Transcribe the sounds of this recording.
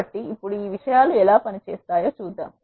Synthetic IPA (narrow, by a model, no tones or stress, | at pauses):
ɐʈːiːpːuɽuiːʋiʂɐjaːluɛlaːpɐnit͡ʃeːst̪aːjoːt͡ʃuːd̪ːa̰ːm